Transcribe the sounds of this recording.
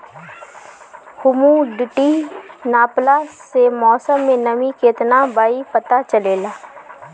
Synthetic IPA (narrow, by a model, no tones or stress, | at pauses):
hʊmũɖɪʈinaːplasemɔːsəmːẽnɐmikeːt̪nabaːipɐt̪at͡ʃɐleːlaː